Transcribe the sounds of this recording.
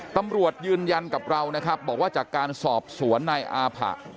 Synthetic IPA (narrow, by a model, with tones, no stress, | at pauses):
t̪a˧mɾu˨˩ət̪̚jɯː˧nja˧nka˨˩p̚ɾa˧wna˦˥kʰɾa˦˥p̚bɔː˨˩k̚waː˥˩t͡ɕaː˨˩kːaː˧nsɔː˨˩p̚su˩˦ənːa˧jʔaː˧pʰa̰˨˩ʔ